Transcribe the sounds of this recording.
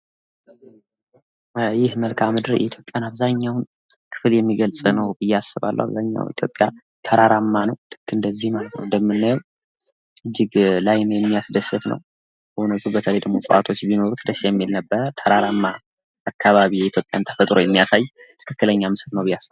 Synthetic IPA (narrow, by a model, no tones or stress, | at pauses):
jɪhməlkʰamɨd̪ɨɾjʔɛ̰it̪jo̞pʼjanaβzaɲːawn | kʰɨ̥fljɛmːiɡəlsʼnəwbɨjːasːɨβa̰lːə̰wa̰βzaɲːa̰w̰it̪ʰjopʼja | t̪ʰəɾaɾamːanəwd̪̥ɨɡ̥ːɨnd̪əzːihmalət̪nəwɨnd̪əmːɨnːajɛw | ɨd͡ʒːɪɡlajnjɛmːijasd̪əsət̪nə̰w | ʔunət̪ʰubət̪ʰələjd̪əɡmo̞sʼə̰ʔa̰t̪ʰo̞t͡ʃːbinoɾut̪ʰd̪əsajɛmːilnəbːəɾət̪ʰəɾaɾamːaː | kʰːaβaβijɛit̪jo̞pʼja̰nt̪ʰə̥fət̪ʼɾo̞jɛmːijasajt̪ʰɨ̥kʰɨkːɨləɲːamɨsɨɾnəwbɨjːasːɨβ